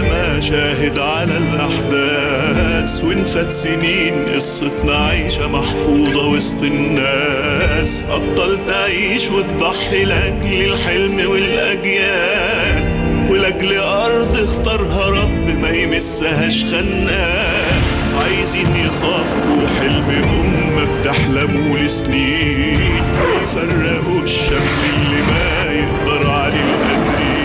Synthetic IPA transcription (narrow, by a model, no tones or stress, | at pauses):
ma | ʃæːɦɪd̪ʕalælʔaħd̪æː | swɪnfæt̪sɪniːnʔɪsˤːet̪nɑʕiːʃæmɑħfuːðˤɑwest̪ˤɪnːæː | sʔɑb̚t̪ˤːɑlt̪aʕiːʃwɪt̪d̪ˤɑħːilʔæɡlɪlħelmwɪlʔæɡjaː | wɪlʔaɡl | ʔɑɾˤd̪ˤɪxt̪ɑɾˤɦɑɾˤɑbːmæjmɪsːaɦæʃxanːaː | s | ʕajziːnjɪsˤɑːfuħɪlmɪhʊmːab̚t̪aħlamuːlɪsniː | nwɪjfarˤːɪʔu | ʃːam | ɪlːima | jɪʔd̪ɑɾˤʕalilʔæɡɾi